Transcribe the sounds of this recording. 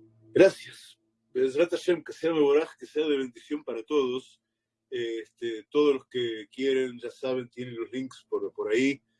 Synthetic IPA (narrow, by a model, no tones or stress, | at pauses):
ɡɾasjas | bezɾat̪aʃemkeseaðeβoɾaxe̥keseaðeβe̞nd̪isjo̞mpaɾat̪oðos | est̪et̪o̞ð̞osloskekje̞ɾenʒasaβ̞e̞nt̪jenenlo̞zliŋkspoɾpoɾai